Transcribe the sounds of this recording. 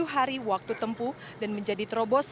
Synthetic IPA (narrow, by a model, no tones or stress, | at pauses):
uɦaɾiwak̚t̪ut̪əmpu | danməɲd͡ʒadit̪ɾɔbɔs